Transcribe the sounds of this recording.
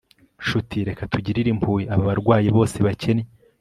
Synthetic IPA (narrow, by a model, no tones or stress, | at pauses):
ʃutiɾe̞katuɟiɾiɾimpʰuːjiaβaβaɾɡwaːjiβo̞ːse̞βacʰe̞ne